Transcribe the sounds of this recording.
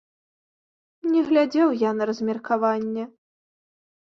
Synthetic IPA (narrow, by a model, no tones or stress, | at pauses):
nʲɛɣlʲad͡zʲɛwjanɐɾɐzʲmʲɛrkʰavanʲːɛ